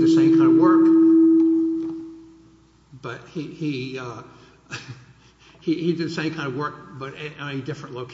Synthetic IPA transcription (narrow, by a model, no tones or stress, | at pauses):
ðɨsẽɪ̃mkʰãɪ̃ndəvwɜ˞k | b̥ʌt̚hiiʌ | hihidɨd̪̚ðɨsẽɪ̃mkʰãɪ̃ndəvwɜ˞k̚b̥ʌɾɪõʊ̃nidɪfɹɨ̃nʔloʊkʰ